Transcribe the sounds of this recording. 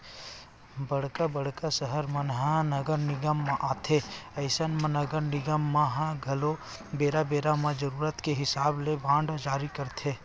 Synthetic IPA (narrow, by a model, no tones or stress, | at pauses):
bɐɽkabəɽ̤kasəɦəɾmɐnɦãnɐɡəɾnɪɡəmːãʔaːt̪ʰeɐɪsənmə̃nɐɡəɾnɪɡəmːãɦãɡʱɐlo | beːɾabeːɾamãd͡ʒəɾuːɾət̪keɦɪsaːblebʱãːɳɖd͡ʒaːɾikɐɾt̪ʰeː